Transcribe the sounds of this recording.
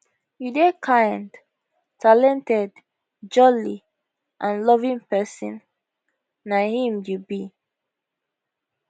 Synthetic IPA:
judekʰãɪnd | talɛ̃ntɛd | d͡ʒɔli | ʔãnlɔvĩŋpɛsḭ̃nː | ahĩmjubi

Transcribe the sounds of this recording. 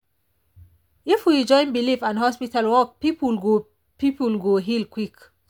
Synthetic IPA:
ifuid͡ʒɔjmbilifanɦɔspit̪ʰalwɔk̚pipulɡu | pipulɡoɦilkwik

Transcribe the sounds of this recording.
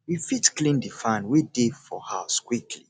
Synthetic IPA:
wifitklĩndifãnwidefɔ̰haʊskwikʰlḭ

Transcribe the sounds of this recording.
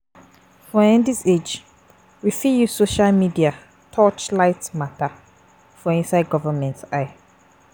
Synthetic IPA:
fɔ̃ɛ̃ndised͡ʒ | wifijusoʃalmidia | tʰɔt͡ʃlaɪtmata | fɔĩnsaɪd̚ɡɔvəmɛ̃ntaɪ

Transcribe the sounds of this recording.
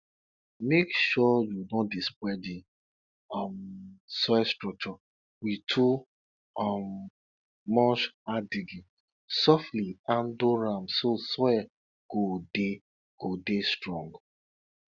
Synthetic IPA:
mekʃɔjudɔ̃dispwɛdi | ɔmsɛstɹɔk̚t͡ʃɔ | witʰu | ɔmː | ɔʃadiɡi | sɔfliãndoɹamsoswɛ | ɡ̥ode | ɡ̥odestɹɔ̃ŋɡ

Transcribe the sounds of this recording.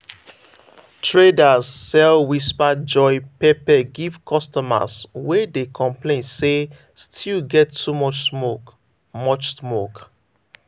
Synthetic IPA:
tʰɹedazːɛlwispad͡ʒɔɪpepɛɡivkʰɔstɔma̰swɛdekʰɔ̃mplẽnse | stʰilɡɛtːumɔt͡ʃsmok | mɔt͡ʃsmok

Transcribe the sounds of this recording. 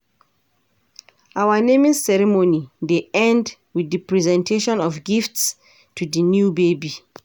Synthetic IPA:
ʔawənẽmizsɛɹimonideɛ̃nd | widəpɹizɛ̃ntʰeʃɔ̃nɔfɡifts | tʰudənjubebi

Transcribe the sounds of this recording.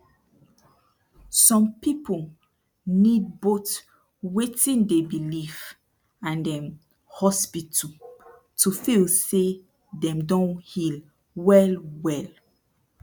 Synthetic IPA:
sɔ̃mpipo | nid̚bot | wetĩndebilif | ãndɛ̃m | hɔspitʰu | tʰufilse | dɛ̃mdɔ̃nhil | wɛlwɛl

